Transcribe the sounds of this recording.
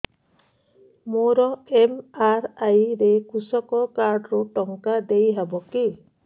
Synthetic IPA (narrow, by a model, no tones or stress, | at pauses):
moɾɔemaɾajɾekusɔkɔkaɾɖɾuʈɔŋkad̪ejɦabɔki